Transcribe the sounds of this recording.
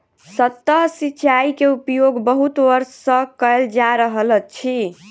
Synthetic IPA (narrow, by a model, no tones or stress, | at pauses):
sət̪ːəɦsiːt͡ʃaikeupjoɡbəɦut̪ʋəɾə̃kəld͡ʒaɾəɦələt͡ʃʰi